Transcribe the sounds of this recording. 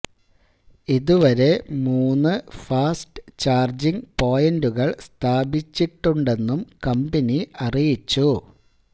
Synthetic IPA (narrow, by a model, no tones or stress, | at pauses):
iðuʋɐɾe̞muːnːɨfaːsʈɨ̥t͡ɕaːrd͡ʑiŋpo̞ːjɐnduɣɐɭst̪ʰaːbit͡ɕːiʈːuɳɖe̞nːumkɐmbɐniɐrijit͡ɕːu